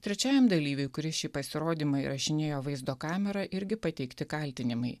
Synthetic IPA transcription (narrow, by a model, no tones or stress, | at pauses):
t̪ʲɾʲɛt͡ʃʲæːjɛmd̪ɐlʲiːʋʲʊɪkɾʲɪʃʲiːpɐsʲɪɾoːd̪ʲiːmɐɪɾɐʃʲɪnʲeːjoːʋɐɪzd̪oːkɑːmʲɛɾɐʔɪɾʲɡʲɪpɐt̪ʲɛɪkt̪ʲɪkɐlʲt̪ʲɪnʲɪmɐɪ